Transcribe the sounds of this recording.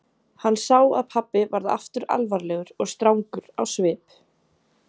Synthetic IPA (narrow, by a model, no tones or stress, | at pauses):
hanːsawa̰ðpʰapːɪvaɾðaʔa̰ft̪ʏɾa̰lvaɾlɛɣʏɾɔɣst̪ɾawŋkʏɾ̥a̰wsvɪːp